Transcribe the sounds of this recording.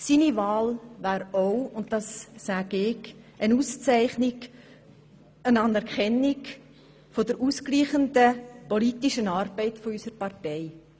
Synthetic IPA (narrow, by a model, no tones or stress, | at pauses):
siːnivɑːlvæːɾoʊʊntd̥ɑsːæːɡ̥ɪɡənuːst͡sæɪχnɪɡ | ənɑnɛɾkɛnːɪk | fodəɾʔuːskliːχəndəpɔlitiʃənɑːɾb̥ɛɪtfɔysəɾpɑrtɛɪ